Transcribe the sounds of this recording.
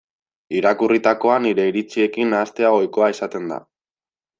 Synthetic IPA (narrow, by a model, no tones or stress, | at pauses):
iɾakurit̪ako̞aniɾe̞iɾit͡sie̞kinaːst̪e̞aɣo̞jko̞aesat̪e̞nd̪a̰